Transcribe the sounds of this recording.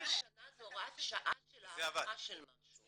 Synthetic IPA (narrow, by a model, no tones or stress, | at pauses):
ʃanazoʁaʃaʔaʃleavaaʃelmaʃu